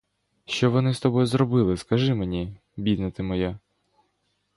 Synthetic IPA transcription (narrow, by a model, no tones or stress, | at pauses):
ʃt͡ʃɔʋɔnɪst̪ɔbɔjzɾɔbɪlˠɪskɐʒɪmenʲi | bʲid̪nɐt̪ɪmɔja